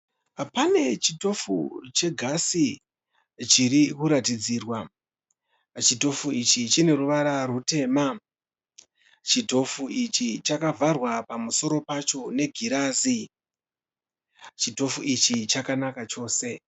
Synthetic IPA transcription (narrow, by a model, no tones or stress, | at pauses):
pane̞t͡ʃito̞fṵt͡ʃe̞ɡʱasi | t͡ʃiɾikuɾatid͡ziːrwa | t͡ʃito̞fuit͡ʃit͡ʃine̞ruʋaɾarute̞ːma | t͡ʃito̞fuit͡ʃit͡ʃakavʱarwapamuso̞ɾo̞pat͡ʃo̞ne̞ɡʱiɾaːzi | t͡ʃito̞fuit͡ʃit͡ʃakanakat͡ʃo̞ːse̞